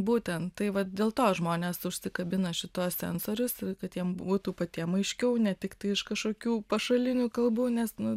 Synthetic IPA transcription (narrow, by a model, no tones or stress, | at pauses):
buːt̪ʲɛnt̪t̪ɐɪʋɐtd̪ʲeːlˠt̪oːʒmoːnʲeːsʊʃʲsʲɪkɐbʲɪnɐʃʲɪt̪oːssʲɛ̰nsoːɾʲʊskɐt̪jiɛmbuːt̪uːpɐt̪ʲiɛmɐɪʃʲkʲɛʊnʲɛt̪ʲɪkt̪ɐɪɪʃkɐʃkoːkʲuːpɐʃɐlʲɪnʲuːkɐlˠbuːnʲɛsnʊ